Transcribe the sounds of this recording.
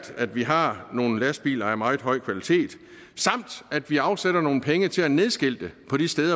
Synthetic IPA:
d̥æd̥ʋiɦɑ̈no̝ːn̩læsd̥̚b̥ḭːlɐæɐmɑ̈ɪð̩ˠɦɒ̽ɪ̰kʰʋælit͡sʰe̝̰ːd̥ | sɑ̈m̰d̥æd̥ʋiɑ̈ʊseɾ̥ɐno̝ːn̩pʰeŋət͡sʰe̝læne̝ð̞ˠsɡ̥e̝l̰d̥epʰɒ̽ɾ̥isd̥eːðˠɐ

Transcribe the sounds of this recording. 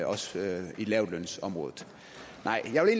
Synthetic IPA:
ɒ̽silɛʊd̥lønsɒ̽mʁɔ̽ːðˠð̩ˠ | nʔɑ̈ɪ̰jɑɪʋele̝ːnl

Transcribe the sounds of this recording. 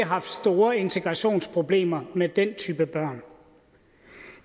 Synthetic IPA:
ɦɑ̈fd̥sd̥o̝ːɐe̝nt͡sʰe̝ɡ̥ʁɑ̈ɕo̝̰ːnspʰʁo̝b̥le̝̰ːmɐmed̥ent͡sʰyːb̥əb̥ɶɐ̰n

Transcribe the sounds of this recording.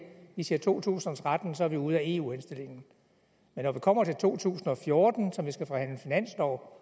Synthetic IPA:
ʋisiɐt͡sʰo̝̰ːt͡sʰṵːsn̩ɒt͡sʰʁad̥n̩sɒ̽æɐʋiuð̞̰ˠæe̝ṵːhensd̥e̝l̰e̝ŋn̩ | menːɒʋikʰɒ̽m̰ɐt͡sʰe̝lt͡sʰo̝̰ːt͡sʰṵːsn̩ɒ̽fjo̝ɐd̥n̩sɒ̽mʋisɡ̥æfɒɑhæn̰lənfinæn̰slɒʊ̰

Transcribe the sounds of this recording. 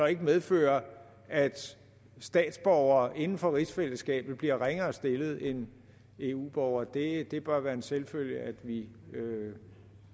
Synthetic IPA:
sɒ̽e̝ɡ̥əmeð̞ˠfø̰ːɐ | ʔæd̥ | sd̥ɛ̰ːd̥sb̥ɒʊ̰ɐːʔe̝nn̩fɒ̽ʁisfel̰əsɡ̥ɛ̰ːb̥ð̩ˠb̥liɐʁeŋɐːsd̥e̝ləð̞̩ˠen | e̝ṵːb̥ɒʊ̰ɐːd̥e̝d̥e̝b̥ɶɐʋæːɐe̝nselføl̰jəʔæd̥ʋiø

